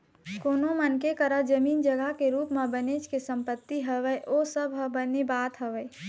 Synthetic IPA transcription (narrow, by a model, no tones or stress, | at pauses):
koːnomənkekəɾad͡ʒəmiːnd͡ʒəɡəɦkeɾuːpmãbənet͡ʃkesə̃mpət̪ːiɦəʋəjʔosəbɦəbənebaːt̪ɦəʋəj